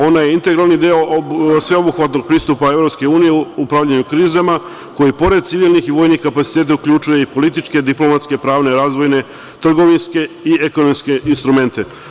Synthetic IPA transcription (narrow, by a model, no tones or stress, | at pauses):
o̞naje̞int̪e̞ɡɾalˠnid̪eosʋe̞obuxʋat̪no̞ɡ̚pɾiːst̪upae̞ʋɾopske̞uːnijeuupɾaʋʎaɲukɾiːzama | ko̞jipo̞ɾed̪̚t̪siʋiːlˠnixiʋo̞ːjnixkapat̪i̥t̪eːt̪̬aukʎut͡ʃuje̞ipo̞lit̪̬it͡ʃke̞d̪iplo̞mat̪ske̞pɾaːʋne̞ɾaːzʋo̞jne̞ | t̪r̩ɡo̞ʋinske̞ieko̞nomske̞ʔinst̪ɾume̞nt̪e̞